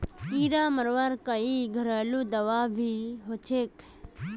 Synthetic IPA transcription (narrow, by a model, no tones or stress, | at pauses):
kiːɾaːməɾʋaːɾkaiɡʱəɾaːluːd̪əʋaːʋʱiːɦot͡ʃʰeːk